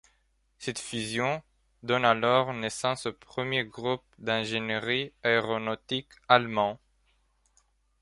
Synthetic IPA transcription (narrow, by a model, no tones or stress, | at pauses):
sɛt̪fyzjɔ̃ | d̪ɔnalɔʁnesɑ̃sopχəmjeɡʁup̚d̪ɛ̃ʒenʁiaeʁonot̪ikalmɑ̃